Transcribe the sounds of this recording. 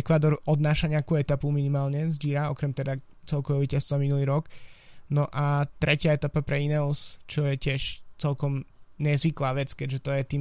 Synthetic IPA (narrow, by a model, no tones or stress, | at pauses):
ɛkʋaːd̪ɔɾɔd̪naːʃaɲɪakuːɛt̪apuminimaːlɲɛzd͡ʒiɾaɔkɾɛmt̪ɛd̪a | t͡sɛlˠkɔʋɛʋiːcast̪ʋaminuliːɾɔknɔʔat̪ɾɛcɪaɛt̪apapɾɛinɛlst͡ʃɔjɛcɪɛʃt͡sɛlkɔmɲɛzʋiklaːʋɛt͡skɛɟʒɛt̪ɔjɛt̪iːm